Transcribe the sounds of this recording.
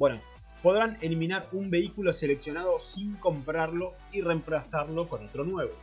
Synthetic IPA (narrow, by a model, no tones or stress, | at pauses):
bweno | po̞ðɾane̞liminaɾumbe̞ikulo̞se̞le̞ksjo̞naðo̞siŋko̞mpɾaɾlo̞ | ire̞mplasaɾlo̞ko̞no̞t̪ɾo̞nwe̞βo